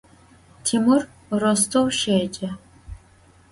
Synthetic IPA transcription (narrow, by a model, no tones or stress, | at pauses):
tʰimur | rostʰowʃeːd͡ʒʼɐ